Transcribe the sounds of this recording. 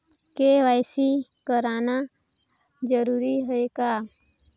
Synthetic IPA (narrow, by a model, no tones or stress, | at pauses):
keʋaɪsikəɾaːna | d͡ʒəɾuːɾiɦəeka